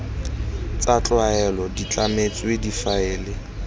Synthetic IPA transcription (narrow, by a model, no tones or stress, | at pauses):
t͡sʼat͡ɬʼwaɛlɔdit͡ɬʼamet͡sʼwedifaeːlɪ